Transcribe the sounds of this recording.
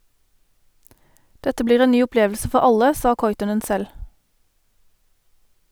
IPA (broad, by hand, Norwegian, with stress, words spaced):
ˈdɛtə ˈbliːʁ ˈeː ˈnyː ʊˈpleːʋl̩sə ˈfɔʁ ˈɑlə ˈsɑː ˈkɔʏtɔnən ˈsɛl